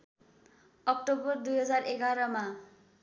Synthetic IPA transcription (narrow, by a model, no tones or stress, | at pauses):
ʌk̚ʈobʌrd̪ujɦʌd͡zareɡaɾʌma